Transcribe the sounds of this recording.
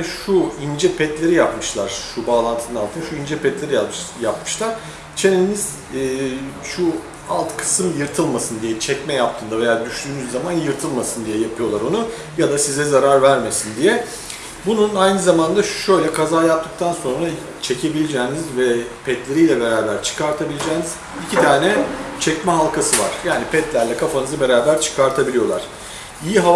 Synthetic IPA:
ʃuind͡ʒɛpʰɛt̪lʲe̞ɾijapmɯʃlˠaɾ̥ʃubaːlˠant̪ʰɯnɯnalˠt̪ʰɯnʃuind͡ʒɛpʰɛt̪lʲe̞ɾijajapmɯ̥ʃlˠaɾ̥ | t͡ʃʰeniniz̥ | ʃu | alˠt̪kʰɯ̥sɯmjɯɾt̪ʰɯlˠmasɯnd̪ijɛt͡ʃʰɛcmɛjap̚t̪ʰɯːnd̪ave̞jaːd̪yʃd̪yːnyzːamanjɯɾt̪ʰɯlˠmasɯnd̪ijɛjapʰɯjo̞lˠaɾo̞nu | jad̪asizɛzaɾaɾvæɾme̞sind̪ijɛ | bununajnɯzamand̪aʃʃø̞jlʲɛkʰazaːjap̚t̪ɯk̚t̪ʰanso̞nɾa | t͡ʃʰecʰe̞bilʲed͡ʒɛːnizvɛpʰɛt̪lʲe̞ɾijlʲɛbe̞ɾaːbæɾt͡ʃʰɯ̥kaɾt̪ʰabilʲed͡ʒɛːniz̥ | icʰit̪ʰaːnɛt͡ʃʰɛcmɛɦalˠkʰasɯva̰ɾ̥jaːnipʰɛt̪lʲæɾlʲɛkʰafanɯzabe̞ɾaːbæɾt͡ʃʰɯ̥kʰaɾt̪ʰabilʲijo̞lˠaɾ̥ | ijiɦa

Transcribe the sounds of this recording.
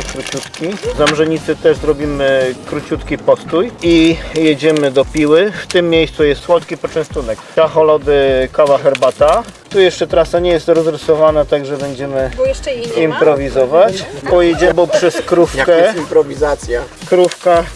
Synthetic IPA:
kɾut͡ɕut̪kʲizamʐɛɲit̪sɘt̪ɛʐzɾɔbʲimɘkɾut͡ɕut̪kʲipɔst̪ujijed͡ʑɛmɘd̪ɔpʲiwɘft̪ɘmːʲjejst̪sujɛst̪swɔt̪kʲipɔt͡ʂɛ̃w̃st̪unɛkt̪axɔlɔd̪ɘkavaxɛɾbat̪at̪ujɛʂt͡ʂɛt̪ɾasaɲɛjɛst̪ɾɔzɾɪsɔvanat̪aɡʐɛbɛɲd͡ʑɛmɘ | impɾɔvʲizɔvat͡ɕpɔjɛd͡ʑɛbɔpʂɛskɾufkɛimpɾɔvʲizat̪sʲja | kɾufka

